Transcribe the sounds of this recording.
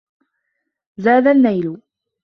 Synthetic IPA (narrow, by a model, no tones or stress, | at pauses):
zaːd̪anːajlʊ